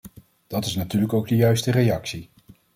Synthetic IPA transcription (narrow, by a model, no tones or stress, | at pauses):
d̥ɑtɪsnatyːɹləkowɡ̚dəjœɥstərejɑksi